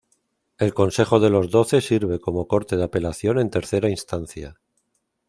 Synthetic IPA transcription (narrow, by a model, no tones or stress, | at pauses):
e̞lko̞nse̞χo̞ð̞e̞lo̞zðo̞θe̞siɾβ̞e̞ko̞mo̞ko̞ɾt̪e̞ð̞ape̞laθjo̞ne̞nt̪e̞ɾθe̞ɾainst̪an̟θja